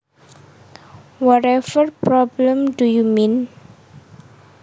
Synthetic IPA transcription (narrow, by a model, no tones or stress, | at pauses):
wɔɾɛfərpɾɔbləmdujumin